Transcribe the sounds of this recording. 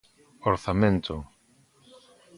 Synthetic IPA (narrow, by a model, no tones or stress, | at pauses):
oɾθamẽnt̪ʰo